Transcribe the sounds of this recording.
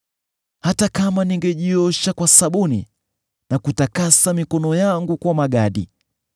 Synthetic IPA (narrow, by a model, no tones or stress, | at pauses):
hatakamaniŋɡɛʄiɔʃakwasaɓunḭ | nakutakasamikɔnɔjaŋɡukwamaɠaɗḭ